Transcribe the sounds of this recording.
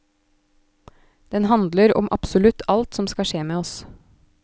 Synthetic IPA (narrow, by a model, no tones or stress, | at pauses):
d̪̥ɛnhɑnd̪ləɾɔ̰mʔɑ̰psʊlʉt̪ʰɑlt̪sɔmskɑʃeːmeːɔs